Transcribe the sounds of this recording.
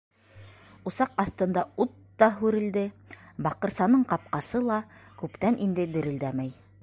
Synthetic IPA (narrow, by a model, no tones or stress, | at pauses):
ŏsɑqɑθt̪ɤ̆nd̪ɑut̪ːɑɦʉɾɘ̆ld̪ɘbɑqɤ̆ɾsɑnɤɴqɑp̚qɑsɤlˠɑkʉpt̪ænʔind̪ɘd̪ɘ̆ɾɘ̆ld̪æmæj